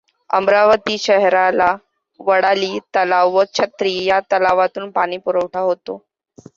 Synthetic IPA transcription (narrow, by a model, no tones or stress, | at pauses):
ə̰mɾaʋət̪iːɕəɦɾala | ʋəɽaliːt̪əlaʋʋət͡ɕʰət̪ɾiːjat̪əlaʋat̪uːnpaɽ̃iːpuɾəʋʈʰaɦot̪o̰